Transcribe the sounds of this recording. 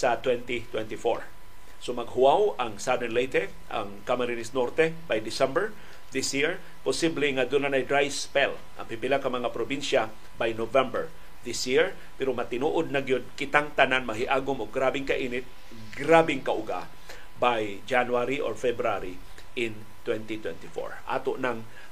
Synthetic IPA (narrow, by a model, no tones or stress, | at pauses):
sɐt̪wɛnt̪it̪wɛnt̪ɪfo̰ɹ | somɐɡ̚hʊawɐŋsad̪ɛnlɛjt̪ɛ | ʔɐ̰ŋkamaɾinɪsnoɾt̪ɛbajd̪ɪsɛmbɛɹ | ðɪsjiɹ | posiblɪŋad̪ʊnːanɐjd̪ɾajspɛl | ʔɐ̰ŋpipɪlakɐŋmɐŋapɾobinʃa | bajnovɛmbɛɹ | ðɪsjiɹ | pɛɾomɐt̪ɪnuːʔod̪̚nɐɡjod̪̚kɪt̪aŋt̪ɐnanmɐɦɪʔaːɡʊmoɡɾaːbɪŋkɐʔiːnɪt̪̚ | ɡɾabɪŋkaʔʊɡa̰ | baj | d͡ʒanwaɾiʔoɹfɛbɾaɾi | ʔɪn | t̪wɛnt̪it̪wɛ̰nt̪ɪfo̰ɹʔa̰ːt̪oʔnaŋ